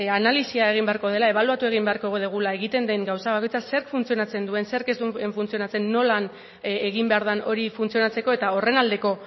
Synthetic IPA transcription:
analisiae̞ɣimbe̞aɾko̞ð̞e̞lae̞βaluat̪ue̞ɣimbe̞aɾko̞ɣoðeɣ̞ulae̞ɣ̞it̪e̞nd̪eŋɡawsaβako̞jt͡sase̞ɾkfunt͡sionat͡se̞nd̪ue̞nse̞ɾke̞zt̪uɱeɱfunt͡sio̞nat͡se̞nːo̞lan | eɣ̞imbe̞aɾðano̞ɾifunt͡sio̞nat͡se̞ko̞et̪ao̞re̞nald̪e̞ko̞

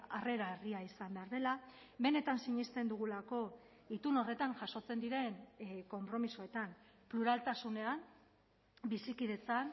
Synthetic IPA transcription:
are̞ɾaeriaisambe̞aɾðe̞la | be̞ne̞t̪ansiɲist̪e̞nd̪uɣ̞ulako̞ | it̪uno̞re̞t̪aŋʝaso̞t͡se̞nd̪iɾe̞nko̞mpɾo̞misoe̞t̪am | pluɾalt̪asune̞an | bisikið̞e̞t͡san

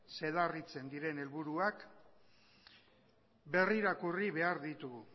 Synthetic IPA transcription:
se̞ðarit͡se̞nd̪iɾe̞ne̞lβuɾuak | be̞riɾakuriβe̞aɾðit̪uɣ

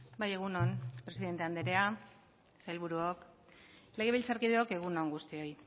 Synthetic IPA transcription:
baje̞ɣ̞unonpɾe̞siðe̞nt̪e̞and̪eɾe̞a | sajlβuɾuok | le̞ɣ̞e̞βilt͡saɾkiðeoke̞ɣ̞unoŋɡust̪io̞j

